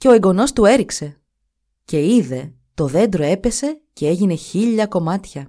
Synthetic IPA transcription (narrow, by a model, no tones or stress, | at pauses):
ce̞oeŋɡo̞no̞st̪ue̞ɾikse̞ | ce̞iðe̞ | t̪o̞ðe̞nd̪ɾo̞e̞pe̞se̞ce̞e̞ʝine̞çiʎɐko̞mɐt̪çɐ